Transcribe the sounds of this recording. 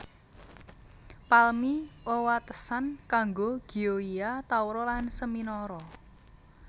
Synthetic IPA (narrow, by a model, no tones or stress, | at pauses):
palmiʔowat̪əsankaŋɡoɡ̥i̤oiat̪auɾɔlansəminɔɾɔ